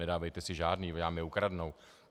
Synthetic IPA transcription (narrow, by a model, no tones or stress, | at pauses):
ɛdaːvɛjt̪ɛsɪʒaːdniːjaːmjɛukɾadno̞w